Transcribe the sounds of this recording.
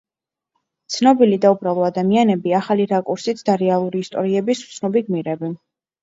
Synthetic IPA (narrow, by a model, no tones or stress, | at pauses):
t̪sʰnɔbilid̪aubɾalˠɔad̪amianɛbiaχaliɾakʼuɾsit̪sʰd̪aɾɛalˠuɾiːst̪ʼɔ̰ɾiɛbisu̥t̪sʰnɔbiɡmiɾɛbɛn